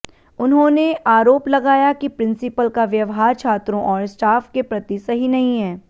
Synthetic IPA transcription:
ʊnɦõneʔaːɾoːplɐɡaːjakipɾɪ̃nsɪpəlkaʋjɐʋɦaːɾt͡ʃʰaːt̪ɾõʔɔːɾsʈaːfkepɾɐt̪isɐɦinɐɦĩɦɛː

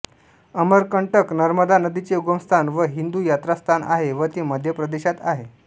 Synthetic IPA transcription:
əməɾkəɳʈəknəɾməd̪anəd̪it͡seuɡəmst̪ʰanʋəɦind̪uːjat̪ɾast̪ʰanʔa̰ɦeʋət̪iməd̪ʱjəpɾəd̪eɕat̪aɦe

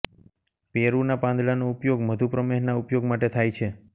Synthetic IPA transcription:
peɾunapãnd̪ɭanoʊpjoɡməd̪ʱupɾəmeɦnaʊpjoɡmaʈet̪ʰajt͡ʃʰe

